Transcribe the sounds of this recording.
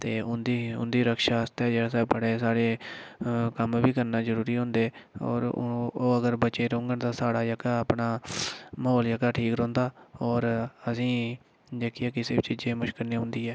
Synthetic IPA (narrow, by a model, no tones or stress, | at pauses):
t̪eːʊnd̪iʊ̰nd̪iːɾəkʃaːəst̪ɛːd͡ʒeːsɛːbəɽeːsaːɽeː | kəmʋiːkəɾnaːzəɾuːɾiːɦʊ̃ːnd̪eːɔ̰ːɾoːəɡəɾbət͡ʃeːɾõːŋɡənt̪ãːsaːɽaːjəkaːəpɳaːməɦoːld͡ʒəkaːʈʰiːkɾõːnd̪aːɔːɾəsĩː | d͡ʒeːkiɛːkɪseːbt͡ʃiːd͡ʒẽːmʊʃkəlnẽːɦʊ̃nd̪iːɛː